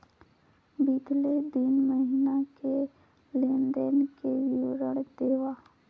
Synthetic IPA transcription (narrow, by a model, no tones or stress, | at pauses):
bɪɡled̪ɪnməɦinake | leːnd̪ənkejoɾəɽd̪eːʋaː